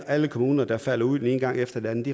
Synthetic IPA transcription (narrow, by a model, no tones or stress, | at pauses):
æləkʰomuːnɐd̥ɑ̈fæl̰ɐuð̰ˠeneːn̩ɡ̥ɑ̈ŋ̰efd̥ɐd̥e̝ænəd̥i